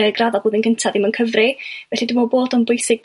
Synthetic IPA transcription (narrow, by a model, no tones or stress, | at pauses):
əɡraðɔboːðənɡ̥əntʰaðimənkʰəvrɪvɛɬidɪmɔboːdɔnbʊjsɪɡ̚